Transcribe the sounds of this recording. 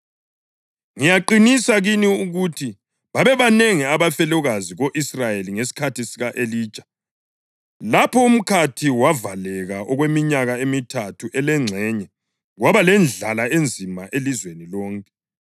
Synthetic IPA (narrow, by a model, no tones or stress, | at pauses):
ŋijaǃinisaɣiniuɣutʰi | βaβɛβaneŋiaβafɛlɔɣaziɣoʔisrajeliŋesi̥kʰatʰisiɣaʔeliːt͡ʃʼḁ | lapʰɔum̩kʰatʰiwavalɛɣaʔɔɣwemiɲaɣaemitʰatʰuʔɛlɛŋ͡ǀʱɛɲɛ | ɣwaβalɛnd͡ɮʱalaend͡zʱimaʔelizwenilɔːŋkʼɛ